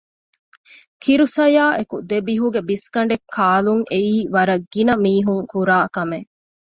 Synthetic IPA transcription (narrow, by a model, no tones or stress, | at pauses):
kʰiɾusɐjaːʔekud̪ebiɦuɡebiskɐɳ̆ɖekʰːaːluŋʔeiːʋɐɾɐɡːinɐmiːɦuŋkuɾaːkɐme